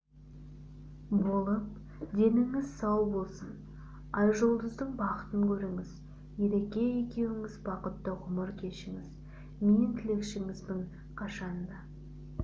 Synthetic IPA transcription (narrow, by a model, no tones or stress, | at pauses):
bo̞lˠəp̚ | d̪e̞nɪŋɪzsɑwbo̞lˠsən | ɑjʒolˠd̪əzd̪əɴbɑqət̪əŋkʲʰɵɾɪŋɪz | je̞ɾe̞kʲe̞je̞kʲe̞wɪŋɪzbɑqət̪ːəʁʊməɾkʲʰe̞ʃɪŋɪz | ment̪ʰɪle̞kʃɪŋɪzd̪ɪɴ | qʰɑʃɑnd̪ɑ